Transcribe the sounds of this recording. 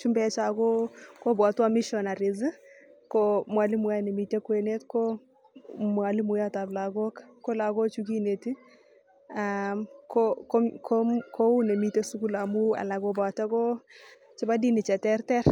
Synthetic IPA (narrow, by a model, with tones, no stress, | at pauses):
t͡ʃu˦mbɛ˦t͡ʃa˨kɔ˦kɔ˦bwa˨˦twa˦mɪ˦ʃɔ˨na˨ɾɪ˨zɪ˦ | kɔ˦mwa˨lɪ˦mwa˦nɛ˨mi˨te˦kwɛ˨ne˦tkɔ˦ | mwa˨lɪ˦mʊ˨ja˦ta˨blaɡɔ˦kkːɔ˦la˨ɡɔ˦t͡ʃu˦ki˦ne˨ti˦ | amkɔkɔ˦kʰokʰo˦u˦ne˨mi˦te˦su˦ku˦la˨mu˦a̰˨la˨kɔba˨ta˦kɔ˦ | t͡ʃɪ˦ba˦di˦nɪ˨t͡ʃɛ˨tɛ˦rtɛ˦ɾ